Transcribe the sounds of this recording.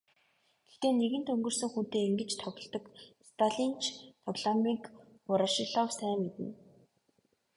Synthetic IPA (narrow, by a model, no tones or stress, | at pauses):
ɡ̥e̥xt̪eːneɣɘ̆nt̪ɵŋɡɵ̆rsɵ̆ŋxun̥t̪eːiŋɡɘ̆t͡ɕt̪ʰɔɣɞ̆ɮt̪ɞ̆kst̪ʰaɮint͡ɕʰp̪ʰɔɣɮɔmik | ʊɾaʃɪɮɔwsæːmet̪ɘ̆n